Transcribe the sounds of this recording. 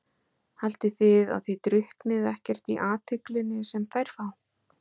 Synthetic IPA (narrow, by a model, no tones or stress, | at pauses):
hal̥t̪ɪθɪða̰ðθit̪ɾʏhknɪðɛhcɛr̥t̪iʔaːt̪ʰʏklɪnːɪsɛmθajɾ̥faw